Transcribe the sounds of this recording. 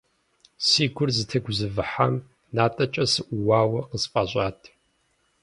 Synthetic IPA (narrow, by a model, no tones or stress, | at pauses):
siːɡʷʊrzɨtʰɐɡʷʊzɨvɨħam | naːtʼɐt͡ʃʼɐsɨʔʷuwaːwɐqəsfʼaːɕʷʼaːtʰʼ